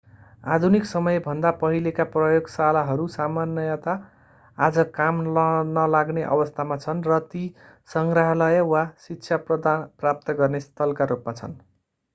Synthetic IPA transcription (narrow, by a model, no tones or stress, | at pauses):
ad̪ʱuniksʌmʌjbʱʌnd̪apʌɦilekaprʌjoɡsalaɦʌɾusamanjʌjat̪aː | d͡zʌkamlnʌlaɡneʔʌ̰bʌst̪ʰamat͡sʰʌnrʌt̪i | sʌŋɡraɦʌlʌjʌwasikːt͡sʰjaprʌd̪anprap̚t̪ʌɡʌrnest̪ʰʌlkaɾupmat͡sʰʌ̰n